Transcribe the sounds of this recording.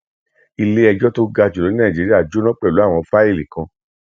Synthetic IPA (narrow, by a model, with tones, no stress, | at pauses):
i˧le˦ɛ˧d͡ʒɔ˦to˦ɡa˧d͡ʒo˨lo˨˦ĩ˦nã˦˨d͡ʒi˨˦ɾi˦a˦˨d͡ʒo˦nɔ̃˦k͡pɛ˦˨lu˨˦a˦˨w̃ɔ̃˧fa˦e˦˨li˨kã˧